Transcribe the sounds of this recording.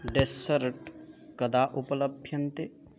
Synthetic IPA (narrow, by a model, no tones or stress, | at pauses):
ɖesəɾʈkɐd̪aʔupɐləbʱjɐnt̪e